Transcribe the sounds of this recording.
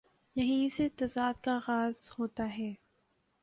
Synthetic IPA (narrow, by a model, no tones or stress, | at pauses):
jɐɦĩset̪ɐzaːd̪̚kaɣaːzhoːt̪aɦɛː